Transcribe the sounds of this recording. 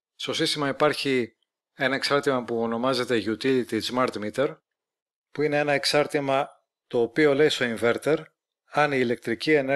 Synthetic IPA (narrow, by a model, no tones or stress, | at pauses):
st̪o̞sist̪imɐipɐɾçi | e̞nɐeksɐɾt̪imɐpuono̞mɐze̞t̪e̞ʝut̪ilit̪izmɐɾt̪mit̪e̞ɾ | puine̞e̞nɐe̞ksɐɾt̪imɐ | t̪o̞ːpio̞le̞jst̪o̞iɱve̞ɾt̪e̞ɾ | ɐniːle̞k̚t̪ɾicie̞ne